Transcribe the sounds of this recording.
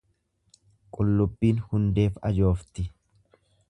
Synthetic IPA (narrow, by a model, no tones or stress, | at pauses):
kʼʊlːʊbːiːnhʊnd̪e̞ːfɐ̰d͡ʒo̞ːft̪ɪ